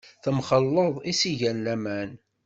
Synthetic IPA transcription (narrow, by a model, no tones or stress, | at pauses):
θəmχəlːəðˤisiʝænlæmæn